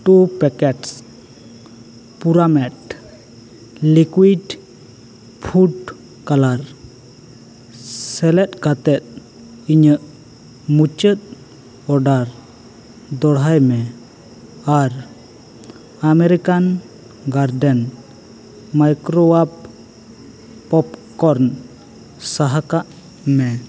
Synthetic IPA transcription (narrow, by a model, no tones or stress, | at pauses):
ʈupɛkɛʈs | puɾamɛʈ | likwiɖ | pʰuɖ | kalaɾ | sɛlɛt̪̚ˀkat̪ɛt̪̚ | iɲəʔ | mut͡ʃət̪̚ | ɔɖaɾ | d̪ɔɽɦajmɛ | aɾ | amɛɾikan | ɡaɾdɛn | majkɾɔap̚ | pɔpkɔɾn | saɦakaʔ | mɛ